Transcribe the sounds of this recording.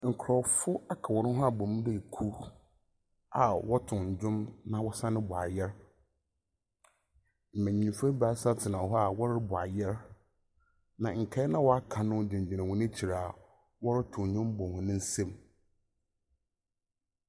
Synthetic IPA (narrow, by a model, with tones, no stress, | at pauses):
ŋ̩˨kʰɾɔ˨fʊ˦a˦kʰa˨wɔ˨nʊ̃˦ɦɔ˦a˨bɔ̃˨m̃˦dɛ˦˨kʰu˦ | a˨wɔ˦tʰʊ̃˨ɲ˨d͡ʑʊ̃˦mnã˨wɔ˦sã˦nɪ̃˦bʊ˨a˨jɛ˦ɾ | m̩˨mæ̃˨ɲĩ˨m˨fɛ˦ba˨˦sa˦tʰɪ˨nã˨ɦɔ˦a˨wɔ˦ɾɪ˦bʊ˨a̰˨jɛ˦ɾ | nã˨ŋ̩˨kʰɛ˦nã˦wɔ˦a˦kʰa˨nʊ̃˦d͡ʑɪ̃˨ɲ˨d͡ʑɪ˨nã˨wɔ̃˨nɪ̃˦t͡ɕʰi˨ɾaː˨ | wɔ˦ɾɪ˦tʰʊ̃˨ɲʊ̃˦m˦bɔ̃˨hʊ̃˨nʊ̃˦n̩˦sɛ̃˦m